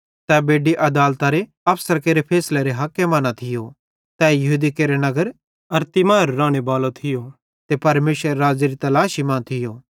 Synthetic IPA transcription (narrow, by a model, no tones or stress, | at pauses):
t̪ɛbeːɖiʔɐd̪aːlt̪aɾe | ɐpʰsəɾkeːɾepʰɛːsleɾeɦɐkːemɐnat̪ʰɪjo | t̪ɛːjɐɦuːd̪ikeːɾenɐɡəɾ | ɐɾt̪imaːɾːãːɽ̃ebaːlot̪ʰɪjo | t̪epɐɾmeːʃʋəɾeɾaːd͡ʒiɾit̪ɐlaːʃimãːt̪ʰɪjoː